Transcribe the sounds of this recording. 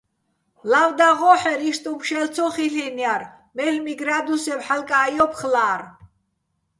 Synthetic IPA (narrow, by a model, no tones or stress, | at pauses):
lavd̪aʁɔħɛɾiʃt̪ʼumʃɛlt͡sʰɔχiɬinjaɾ | mɛlmiɡɾad̪usɛmħalkʼajɔpʰχlaːɾ